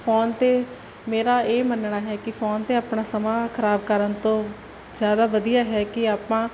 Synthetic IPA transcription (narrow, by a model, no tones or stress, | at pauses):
pʰɔːnt̪eː | meːɾaːeːmənɳaːɦɛːkɪpʰɔːnt̪eːaːpɳaːsəmãːkʰəɾaːbkəɾənt̪õː | zjaːd̪aːʋəd̪ijaːɦɛːkɪaːpãː